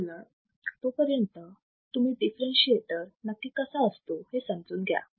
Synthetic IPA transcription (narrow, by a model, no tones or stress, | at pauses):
la | t̪opəɾjənt̪ə | t̪um̤iːɖifɾẽnɕieʈ̪əɾnəkːiːkəsaəst̪ohesə̃md͡zuːnɡʱja̰